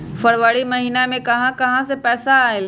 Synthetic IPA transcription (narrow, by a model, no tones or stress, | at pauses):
fɐɾʋəɽimɐɦiːnamẽkɐɦãkɐɦãsepɛːsaːel